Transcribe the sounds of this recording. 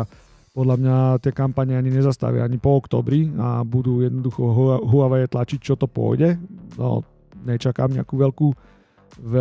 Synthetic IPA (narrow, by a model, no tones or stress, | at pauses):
a | pɔd̪ʎamɲat̪ɪɛkampaɲɛaɲiɲɛzast̪a̰ʋɪa̰aɲipɔɔkt̪ɔ̰ːbɾia̰bud̪ujɛd̪nɔd̪uxɔɦɦuʋaʋɛɛt̪lat͡ʃic̚t͡ʃɔt̪ɔpʊɔ̰jɟɛnɔ̰ | ɲɛt͡ʃaka̰ːmɲɪa̰kuʋɛʎku | ʋɛ